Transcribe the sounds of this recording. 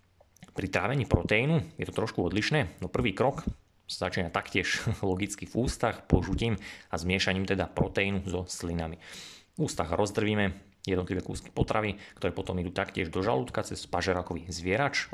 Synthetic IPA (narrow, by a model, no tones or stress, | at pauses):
pɾit̪ɾaːʋɛɲiːpɾɔt̪ɛinujɛt̪ɔ̥t̪ɾɔʃkuɔd̪liʃnɛːnɔpr̩ʋiːkɾɔk | sazat͡ʃiːnat̪akcɪɛʃlɔɡit͡skivuːst̪axpɔʒuciːmazmɪɛʃaɲiːmt̪ɛd̪apɾɔt̪ɛinuzɔslinamivuːst̪aɣɾʔɔzd̪r̩ʋiːmɛ | jɛd̪nɔt̪liʋɛːkṵːski̥pɔt̪ɾaʋik̚t̪ɔɾɛːpɔt̪ɔmid̪uːt̪akcɪɛʒd̪ɔʒa̰lut̪kat͡sɛspaʒɛɾakɔʋizʋɪɛɾat͡ʃ